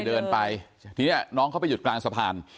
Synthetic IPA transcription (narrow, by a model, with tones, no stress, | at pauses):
dɤː˧npa˧j | t̪ʰiː˧ni˥˩ɐnɔː˦˥ŋʰa˥˩pa˧ju˨˩t̪̚klaː˧ŋsa˧pʰaː˧n